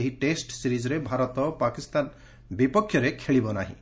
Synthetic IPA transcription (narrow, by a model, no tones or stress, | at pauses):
eɦiʈesʈsiɾid͡ʒɔɾebʱaɾɔt̪ɔpakist̪an | bipɔkʰjɔɾekʰeɭibɔnaɦḭ̃